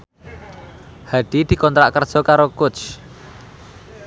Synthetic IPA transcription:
haɖ̪̥id̪̥i̤kɔnt̪ɾaʔkərd̥ʒ̥ɔ̤kaɾokʊt͡ʃ

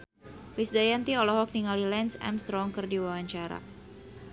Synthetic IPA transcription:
lisdajant̪iɔlɔɦɔk̚niŋalilɛnsɛ̰mst̪ɾɔŋkərdiwawaɲt͡ʃaɾa̰

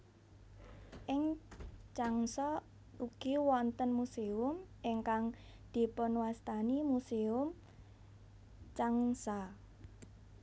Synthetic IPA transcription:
ʔɪŋt͡ʃaŋsɔ | uɡ̥iwɔnt̪ənmuseʊmɪŋkaŋ | d̪̥i̤pʊnwast̪animuseʊm | t͡ʃaŋsa

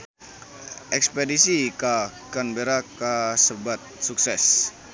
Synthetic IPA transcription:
ʔɛkspedisikakanbeɾakasəbat̪̚suksɛs

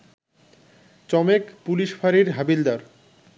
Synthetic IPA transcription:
t͡ɕɔmekpuliʃfʰaɾiɾɦabild̪aɾ

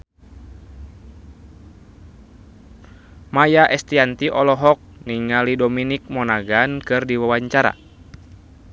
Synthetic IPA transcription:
majaʔɛst̪iant̪iʔɔlɔɦɔk̚niŋalidɔminik̚mɔnaɡankɨrdiwawaɲt͡ʃaɾa̰

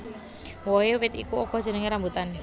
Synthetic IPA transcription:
wɔewɪt̪ḭkuɔɡ̥ɔ̥d͡ʒ̥ənəŋeɾambut̪an

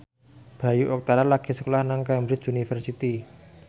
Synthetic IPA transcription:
b̥a̤juʔɔk̚t̪aɾalaɡ̥i̤sə̥kolahnaŋkamɾɪt̪̚unifərsit̪i

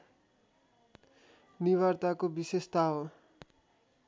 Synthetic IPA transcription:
niβart̪akobisest̪aɦo

